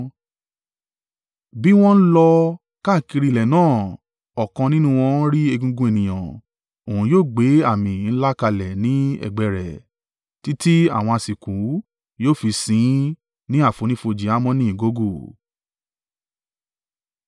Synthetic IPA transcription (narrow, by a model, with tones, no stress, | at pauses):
bi˦w̃ɔ̃˦n̩˦lɔ˧ | ka˦˨ki˧ɾi˦˧˨lɛ˨nãː˦˨ | ɔ˨kɔ̃˧nĩ˦nũ˦w̃ɔ̃˧˦ɾi˦e˧ɡũ˧ɡũ˧˦e˨nĩ˨j̃ã̰˨ | o˨hũ˨joː˦˨ɡ͡be˨˦a˦˨mĩ˨n̩˦la˦ka˧lɛ˨nĩ˨˦ɛ̰˦˨ɡ͡bɛ˨ɾɛ̰˨ | ti˦ti˦a̰˦˨w̃ɔ̃˧a˧˨si˨kũ˨˦ | joː˦˨fi˧sĩ˨˦ | nĩ˦a˦˨fo˨˧nĩ˦fo˧d͡ʒi˧˦a˨˦mɔ̃˧˦nĩ˦ĩ˨ɡo˦ɡo˦˨